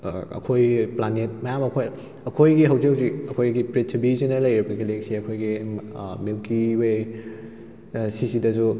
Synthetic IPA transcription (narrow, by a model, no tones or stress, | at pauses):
ɐ̰kʰojplanet̚mɐjamɐkʰoj | ɐkʰojɡiɦɐwzewziɐkʰojɡipɾetʰɾibisinɐlɐjɾibɐɡilek̚siɐkʰojɡimewkiwe | sisidɐsu